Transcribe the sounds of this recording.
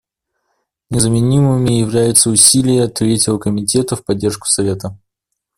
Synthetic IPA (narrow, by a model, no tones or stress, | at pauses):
nʲɪzəmʲɪnʲimɨmʲɪjɪvlʲæjʊt̪səʊsʲilʲɪjəɐt̪ɾʲetʲɪvəkəmʲɪtʲe̞t̪əfpɐdʲːe̞rʂkʊ̥sɐvʲe̞t̪ə